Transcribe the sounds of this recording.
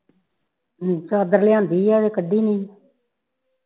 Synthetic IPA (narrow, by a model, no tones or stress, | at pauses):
t͡ʃaːd̪əɾlɪãːnd̪iːaːd̪eːkəɖːiːnĩː